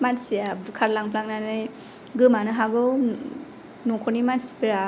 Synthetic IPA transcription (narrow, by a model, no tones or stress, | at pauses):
mansijabkʰaɾlaŋpʰlaŋnanɯ | ɡɯmanɯɦaɡɯw | nɔŋkʰɔnimansi̥piɾa